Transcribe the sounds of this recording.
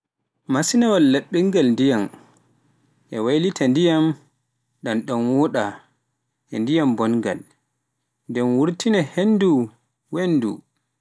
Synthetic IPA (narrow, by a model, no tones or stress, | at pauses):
masinawalːaɗːiŋɡalndijam | ʔɛwajlitʰandijam | ɗanɗɔnwɔɗa | ʔɛndijambɔnɡa̰l | ndɛnwuɾtinɛhenːdu | wenːdṵ